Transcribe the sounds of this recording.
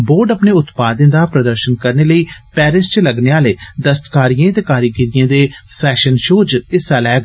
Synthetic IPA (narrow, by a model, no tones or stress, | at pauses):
boːɾɖəpneːʊt̪paːd̪ɪ̃nd̪aːpɾəd̪əɾʃənkəɾneːləiːpɛːɾɪst͡ʃləɡneːaːleːd̪əst̪kaːɾijãːt̪eːkaːɾiɡɪɾɪjãːd̪eːpʰɛːʃənʃoːd͡ʒɪsaːlɛːɡ